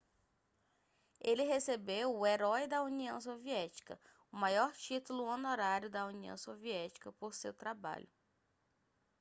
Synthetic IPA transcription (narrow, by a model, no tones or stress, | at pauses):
elɪɦesebewʊeɾɔjd̪ɐuniɐ̃w̃soviɛt͡ʃi̥kɐ̰ | ʊmajɔɾt͡ʃit̪ulʊonoɾaɾjʊd̪ɐuniɐ̰̃w̃soviɛt͡ʃi̥kɐpoɾsewt̪ɾaba̰ʎʊ